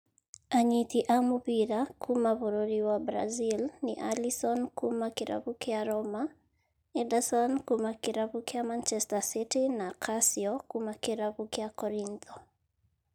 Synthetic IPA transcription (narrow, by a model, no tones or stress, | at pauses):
aɲit̪iʔamupiɾakʰumaβoɾoɾiwabɾa̰zilniʔa̰lisɔnkʰumakiɾa̰βukeaɾɔma | ɛdasɔnkumakiɾaβukeamant͡ʃɛstasitinakʰasiɔkumakɪɾaβukeakɔɾint̪ʰɔ